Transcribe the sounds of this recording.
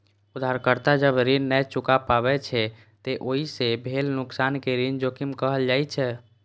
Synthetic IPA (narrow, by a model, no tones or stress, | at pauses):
ud̪ʱːaɾkəɾt̪ad͡ʒəbɾinnɛt͡ʃukapabɛt͡ʃʰɛ | t̪eʔoːɦisebʱelnʊksaːnkeɾind͡ʒokimkəɦəld͡ʒaːit͡ʃʰɛ